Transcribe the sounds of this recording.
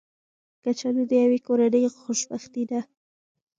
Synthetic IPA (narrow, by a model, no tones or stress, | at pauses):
kat͡ʃaned̪əjawekoɾanəjxoʃbaxt̪id̪a